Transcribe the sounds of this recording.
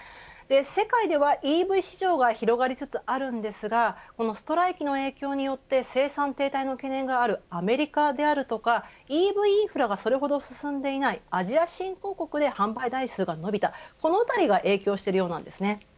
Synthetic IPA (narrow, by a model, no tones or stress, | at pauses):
d̪̥e̞se̞kaid̪e̞βaʔiːbɯ̟iɕiʑo̞ːɡaçiɾo̞ɡaɾʲit͡sɨt͡sɨaɾɯ̟̃nd̪e̞sɨɡako̞no̞sɨ̥t̪o̞ɾaikʲino̞e̞ːkʲo̞ːɲ̟ijo̞t̪ːe̞se̞ːsãnt̪e̞ːt̪aino̞ke̞nẽ̞ŋɡaːɾɯ̟ame̞ɾʲikad̪e̞aɾɯ̟t̪o̞kaiːbɯ̟iiːɸɯ̟ɾaɡaso̞ɾe̞ɦo̞d̪o̞sɨ̥sɨ̃nd̪e̞inaiaʑiaɕĩŋko̞ːko̞kɯ̟d̪e̞hãmbaid̪aisɨːɡano̞bʲit̪ako̞no̞ɯt̪aɾʲiɡaʔe̞ːkʲo̞ːɕi̥t̪e̞ɾɯ̟joːnã̰nd̪e̞sɨne̞